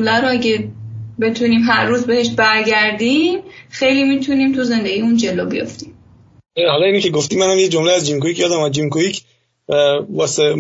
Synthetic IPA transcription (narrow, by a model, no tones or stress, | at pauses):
læɾoæɟebe̞t̪ʰuniːmɦæɾːuːzbe̞heʃbæɾɟæɾd̪imxejliːmit̪ʰuniːmt̪ʰuze̞nd̪eɡijund͡ʒe̞lobijo̰ft̪iːm | ehɒlɒiːnecʰeɡoft̪iːmːænhæmjed͡ʒomleæzd͡ʒimkujiːcʰjɒːd̪æmæd͡ʒimkujicʰ | ævɒːse